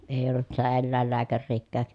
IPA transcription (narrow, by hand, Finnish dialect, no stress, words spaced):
eˑi olːut sitæ elːæˑelːæːkærːiːkːæːk